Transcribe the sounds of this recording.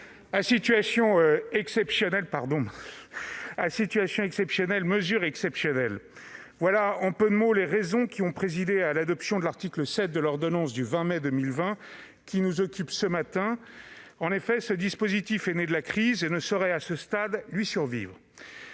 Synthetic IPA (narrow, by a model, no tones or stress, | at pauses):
asit̪ɥasjɔ̃øɛksɛpsjɔnɛlpaʁd̪ɔ̃ | asit̪ɥasjɔ̃ɛksɛpsjɔnɛlməzyʁɛksɛpsjɔnɛl | vwalaɑ̃pød̪əmoleʁezɔ̃kʲiɔ̃pχezid̪ealad̪ɔpsjɔ̃d̪əlaʁt̪ikləsɛt̪̚d̪əlɔʁd̪ɔnɑ̃sd̪yvɛ̃mɛd̪əmilvɛ̃ | kʲinuzɔkʲypsəmat̪ɛ̃ | ɑ̃nefɛsəd̪ispozit̪ifɛned̪əlakχizenəsɔʁɛasəst̪ad̪lɥisyʁvḭvʁə